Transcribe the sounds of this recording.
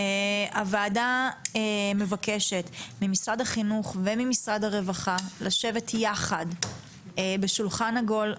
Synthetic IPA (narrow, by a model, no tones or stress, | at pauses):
eavaːdaeme̞vake̞ʃetmimisʁadaχinuχvemimisʁadhaʁe̞vaχalaʃe̞vetjaχad | ebe̞ʃulχanaɡo̞l